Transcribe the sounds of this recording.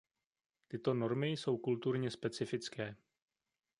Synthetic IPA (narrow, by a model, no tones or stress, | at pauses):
t̪ɪt̪o̞no̞ɾmɪjso̞wkult̪uɾɲɛspɛt͡sɪfɪt͡skɛː